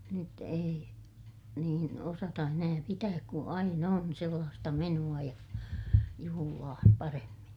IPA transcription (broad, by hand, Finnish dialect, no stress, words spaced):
nyt ei niːn osɑtɑ enæː pitæːk ku ɑinɑ on selːɑːstɑ menuɑ jɑ juhulɑː pɑremːin